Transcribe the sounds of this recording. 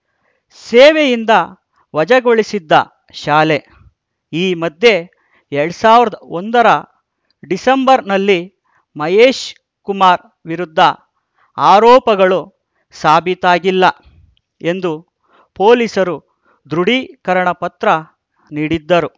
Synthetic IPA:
seːʋejind̪ɐ | ʋɐd͡ʒɐɡo̞ɭisid̪ːɐ̰ | ʃaːle̞ | iːmɐd̪je̞ | ɛɾɐɽsaːʋiɾɐd̪ɐond̪ɐɾɐ | ɖisɐmbɐɾnɐlːi | mɐjeːʃ | kumaːɾ | ʋiɾud̪ːɐ | aːɾɔːpɐɡɐɭu | saːbʱit̪aːɡilːɐ | e̞nd̪u | po̞ːlisɐɾu | d̪ɾuɽikɐɾɐɳɐpɐt̪ɾɐ | niːɽid̪ːɐɾu

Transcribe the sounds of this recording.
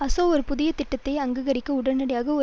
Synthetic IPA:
ɐsoːɔɾɯpʊðɪjɐt̪ɪʈːɐt̪ːɐɪɐŋɡɐɣɐɾɪkːɐʊɽɐnnɐɽɐjaːɣɐɔ

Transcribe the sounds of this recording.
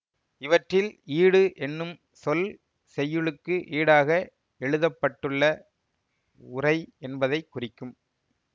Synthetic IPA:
ɪʋɐʈrɪliːɽɯʔɛnːɯm | sɔl | sɛjːɯɭɯkːɯʔiːɽaːɣɐ | ɛɻɯðɐpːɐʈːɯɭːɐ | ʊrɐɪɛnbɐðɐɪkːʊrɪkːɯm

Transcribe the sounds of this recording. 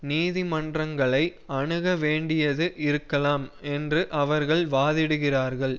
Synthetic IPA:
niːðimɐndrɐŋɡɐɭɐɪ | ɐɳɯɣɐʋeːɳɖɪjɐðɯʔɪɾɯkːɐlaːmɛndrɯʔɐʋɐɾɣɐɭʋaːðɪɽɯɣɪraːɾɣɐɭ

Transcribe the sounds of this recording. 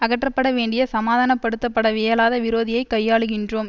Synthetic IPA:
ɐɣɐʈrɐpːɐɽɐʋeːɳɖɪjɐsɐmaːðaːnɐpːɐɽɯt̪ːɐpːɐɽɐʋeːjɐlaːðɐʋɪɾoːðɪjɐɪkɐjːaːɭɯɣɪndroːm

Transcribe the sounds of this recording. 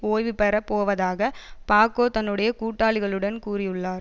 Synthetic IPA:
oːjʋɪpɐɾɐpoːʋɐðaːɣɐpaːkoːt̪ɐnːɯɽɐjɐkuːʈːaːɭɪɣɐɭɯɽɐnkuːrɪjɯɭːaːɾ

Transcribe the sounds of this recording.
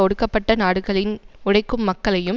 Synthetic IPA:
ɔɽɯkːɐpːɐʈːɐnaːɽɯɣɐɭɪnʊɽɐɪkːɯmːɐkːɐɭɐjɯ

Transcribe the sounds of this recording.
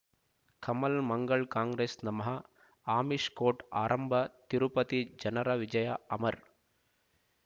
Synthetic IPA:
kʰɐmɐlmɐŋɡɐɭkaːŋɡɾeːsnɐmɐɦɐ | aːmiʂkoːʈa̰ːɾʔɐmbʱɐt̪iɾupɐt̪id͡ʒɐnɐɾɐʋid͡ʒɐjɐɐmɐɾ

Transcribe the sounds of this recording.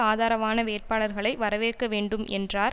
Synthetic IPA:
aːðaːɾɐʋaːnɐʋeːʈ̚paːɭɐɾɣɐɭɐɪʋɐɾɐʋeːkːɐʋeːɳɖɯmʔɛ̰ndraːɾ

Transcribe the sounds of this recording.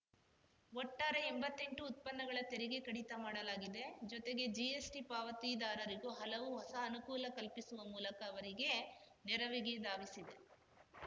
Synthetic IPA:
ɔʈːaːɾeembɐt̪ːe̞ɳʈuːt̪̚pɐnːɐɡɐɭɐt̪eɾiɡe̞kɐɽit̪ɐmaːɽɐlaːɡid̪e̞d͡ʒɔt̪e̞ɡe̞d͡ʒiesʈipaːʋɐt̪id̪aːɾɐɾiɡuɦɐlɐʋuɦɔsɐːnukuːlɐkɐlpisuʋɐmuːlɐkɐːʋɐɾiɡe̞ | nɛɾɐʋiɡed̪aːʋisid̪e̞

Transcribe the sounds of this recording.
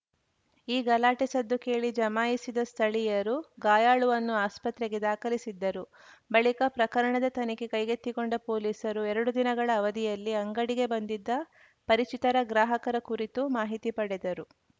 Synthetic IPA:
iːɡɐlaːʈisɐd̪ːuke̞ːɭid͡ʒɐmaːjisid̪ɐst̪ʰɐɭijɐɾuɡaːjaːɭuʋɐnːuaːspɐt̪ɾeɡe̞d̪aːkɐlisid̪ːɐɾu | bɐɭikɐpɾɐkɐɾɐɳɐd̪ɐt̪ɐnikekɐjɡet̪ːikoɳɖɐpo̞ːliːsɐɾuɛɾɐɽud̪inɐɡɐɭɐːʋɐd̪ijɐlːiɐŋɡɐɽiɡe̞bɐnd̪id̪ːɐ | pɐɾit͡ʃit̪ɐɾɐɡɾaːɦɐkɐɾɐkuɾit̪umaːɦit̪ipɐɽɛd̪ɐɾu

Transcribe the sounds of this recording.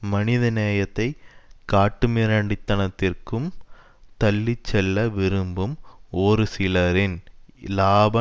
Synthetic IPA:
mɐnɪðɐneːjɐt̪ːɐɪkːaːʈːɯmɪɾɐɳɖɪt̪ːɐnɐt̪ːɪrkɯm | t̪ɐlːɪt͡ʃːɛlːɐʋɪɾɯmbɯmoːɾɯsɪlɐɾɪnlaːbɐ

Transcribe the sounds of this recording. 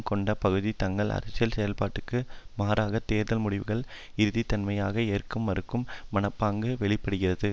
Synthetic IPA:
kɔɳɖɐpɐɣɯðit̪ɐŋɡɐɭʔɐ̰ɾɪsɪjɐlsɛjɐlpaːʈːɯkːɯmaːɾaːɣɐt̪ːeːɾðɐlmʊɽɪʋɯɣɐɭ | ɪɾɯðit̪ːɐnmɐjaːɣɐeːrkɯmːɐɾɯkːɯmːɐnɐpːaːŋɡɯʋɛɭɪpːɐɽɯɣɪrɐðɯ

